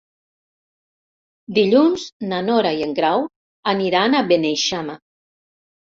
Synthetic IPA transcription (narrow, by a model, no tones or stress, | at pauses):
d̪iʎunznanoɾaieŋɡɾaw | aniɾanaβenejʃama